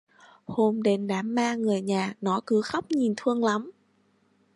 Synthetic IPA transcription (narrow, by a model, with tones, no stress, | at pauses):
ho˧mɗe˨˦nɗaː˨˦mːaː˧ŋɨ˨˩əjɲaː˨˩nɔ˨˦kɨ˨˦xa˦˥wk͡p̚ɲi˨˩nt̪ʰɨ˧əŋla˨˦m